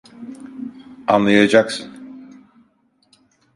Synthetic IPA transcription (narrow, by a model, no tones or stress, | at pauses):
a̰nlˠajad͡ʒaksɯn